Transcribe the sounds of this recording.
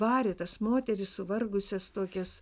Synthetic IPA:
ʋɑːɾʲɪt̪ɐsmoːt̪ʲɛɾʲɪssʊʋɐrɡʊsʲɛst̪oːkʲɛs

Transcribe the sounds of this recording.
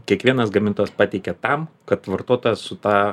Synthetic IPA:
kʲiɛkʋʲiɛnɐsɡɐmʲɪnt̪oːjɛspɑːt̪ʲɛɪkʲɛt̪ɐmkɐt̪ʋɐrt̪oːt̪ojɛsʊt̪ɑː

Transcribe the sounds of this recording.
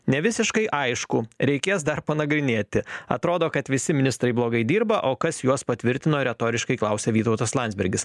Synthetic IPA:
nʲɛʋʲɪsʲɪʃkɐɪʔɐɪʃkʊɾʲɛɪkʲeːsd̪ɐrpɐnɐɡɾʲɪnʲeːt̪ʲɪɐ̰t̪ɾoːd̪oːkɐt̪ʋʲɪsʲɪmʲɪnʲɪst̪ɾɐɪblˠoːɡɐɪd̪ʲiːɾbɐʔoːkɐsjuɔspɐt̪ʲʋʲɪɾʲt̪ʲɪnoːɾʲɛt̪oːɾʲɪʃkɐɪklˠɐʊsʲɛʋʲiːt̪ɐʊt̪ɐslˠɑnd̪zʲbʲɛɾʲɡʲɪs

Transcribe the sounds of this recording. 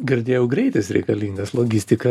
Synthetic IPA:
ɡʲɪɾʲd̪ʲeːjɛʊɡɾʲɛɪt̪ʲɪsɾʲɛ̰ɪkɐlʲiːŋɡɐslˠoːɡʲɪsʲt̪ʲɪkɐ

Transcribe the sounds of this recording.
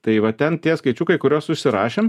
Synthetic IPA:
t̪ɐɪʋɐt̪ʲɛnt̪ʲiɛskɐɪt͡ʃʲukɐɪkʊɾʲoːssʊʃʲsʲɪɾɑːʃʲeːm

